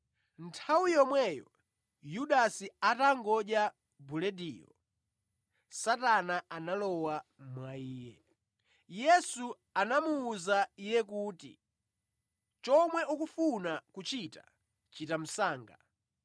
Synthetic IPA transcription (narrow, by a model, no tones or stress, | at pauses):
ntʰawijɔmwɛjɔ̰ | juɗasiataŋɡɔʄja | bulɛdiːjɔ̰ | satanaʔanalɔwamwaiːjɛ | jɛsu | anamuːzaijɛk̬uːtḭ | t͡ʃɔmwɛʔukufunakut͡ʃita̰ | t͡ʃitam̩saːŋɡa̰